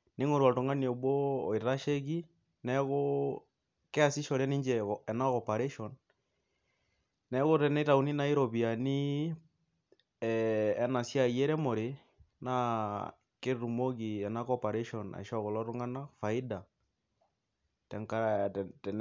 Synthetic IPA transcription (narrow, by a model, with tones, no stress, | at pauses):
ni˦ŋo˦ɾwa˨tu˨ŋa˦n˨o˨βwoː˦˨i˨ɾa˦ʃe˦ɣi˦ | nɛ˦ɣo˦ | ke˦a˦si˦ʃɔ˨ɾjɛ˦ni˦ɲd͡ʒɛɔɛ˨na˦kɔpa˨ɾe˦ʃɔ˨n | nɛ˦ɣo˦tɛ˦ne˦ta˨u˦ni˦na˦i˦ɾo˨βi˨a˨ni˦ | na˨sja˦˨je˦ɾɛ˦mo˨ɾe˨ | na˦ | ke˦ɾu˨mo˦ɣi˨ɛ˨na˦kɔ˦pa˨ɾe˦ʃɔna̰˨ʃɔ˦ɣo˨lɔ˦to˦ŋa˦na˦fa˨i˦da˨ | tɛ˨ŋka˦ɾa˨tɛ˨n